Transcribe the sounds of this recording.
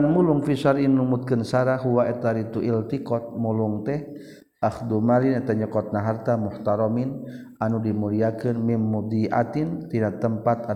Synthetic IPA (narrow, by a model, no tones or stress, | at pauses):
anmuluŋfisaɾinːumut̪̚kɨnsaɾaɦuwaɛt̪aɾit̪uʔilt̪ikɔt̪̚muluŋt̪ɛh | ʔaxd̪umalinɛt̪aɲəkɔt̪̚naɦart̪amuht̪aɾɔmin | anudimuliakɨnmimːud̪iʔa̰t̪int̪inat̪əmpat̪a